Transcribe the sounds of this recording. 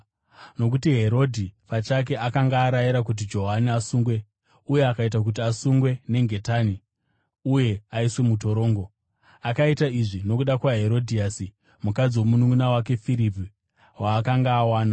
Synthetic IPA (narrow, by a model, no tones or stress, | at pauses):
no̞k̬utiɦe̞ɾo̞dʱipat͡ʃak̬e̞ʔakaŋɡaːɾajiɾak̬ut̬id͡ʒo̞ɦaniasuŋɡwe̞ | uje̞akait̬ak̬ut̬iasuŋɡwe̞ne̞ŋɡe̞taːni | uje̞aiswe̞mut̬o̞ɾo̞ːŋɡo̞ | akaitaiʐino̞kuɗakwaɦe̞ɾo̞dʱiasi | mukad͡ziwo̞munuŋɡunawake̞fiɾipi | waːkaŋɡaːwaːna